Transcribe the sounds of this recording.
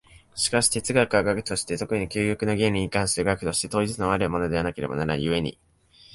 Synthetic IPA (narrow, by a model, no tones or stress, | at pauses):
ɕi̥kaɕi̥t̪e̞t͡sɨɡakɯaɡakɯ̟̥t̪o̞ɕi̥t̪e̞t̪o̞kɯ̟ɲ̟ikʲɨːjokɯ̟no̞ɡẽ̞nʲɾʲiɲ̟ːikãɰ̃ɕɨɾɯ̟ɡak̟t̪o̞ɕi̥t̪e̞t̪o̞ːʑit͡sɨnoaɾɯmo̞no̞d̪e̞βanake̞ɾe̞bonaɾã̰jɯ̟e̞ɲ̟ḭ